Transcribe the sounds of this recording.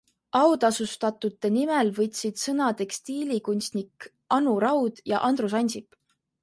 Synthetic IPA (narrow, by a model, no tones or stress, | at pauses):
ʔɑwd̪̥ɑsust̪ɑt̪ˑut̪ˑːe̞nimelvɤ̞t̪ʲsid̪̥sɤnɑt̪e̞kst̪iːlʲikunʲst̪nik | ʔɑnuɾɑwd̪̥jɑ̰ʔɑnd̪rus̬ɑnʲsip